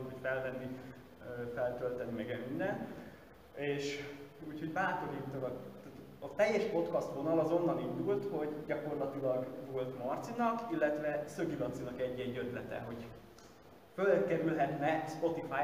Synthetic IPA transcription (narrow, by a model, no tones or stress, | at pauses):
nocfɛlvɛnːi | øfɛlt̪ølt̪ɛnːimɛɡɛynːɛn | eːʃuːcho̞ɟbaːt̪o̞ɾiːt̪ːolɒt̪at̪ | ɒt̪ɛjːɛʃpo̞t̪kɒst̪ʋo̞nɒlɒzo̞nːɒnind̪ult̪ho̞ɟɟɒko̞rlɒt̪ilɒɡvolt̪mɒrt̪sinɒkilːɛt̪vɛsøɡilɒnsinɒkɛɟːɛɟøt̪lɛt̪ɛ̰ɦo̞ɟ | følkɛɾylɦɛt̪nɛspo̞t̪ifaː